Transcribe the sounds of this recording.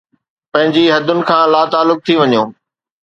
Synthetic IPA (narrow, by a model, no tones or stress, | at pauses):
pɐ̃ɦɪ̃ɲd͡ʑiɦɐd̪ʱʊnɪ̆kʰãːlaːt̪aːlːʊk̚t̪ʰiʋɐɲjoː